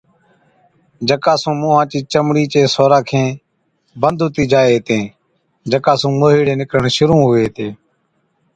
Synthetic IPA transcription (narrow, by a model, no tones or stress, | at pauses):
d͡ʒəkaːsũːmũːɦãːt͡ʃiːt͡ʃəmɽiːt͡ʃeːsoːɾãːkʰẽː | bənd̪ʱʊt̪iːd͡ʒaːeːɦt̪ẽː | d͡ʒəkaːsũːmoːɦiːɽẽːnɪkɾəɳʃʊɾũːɦʊeːt̪eː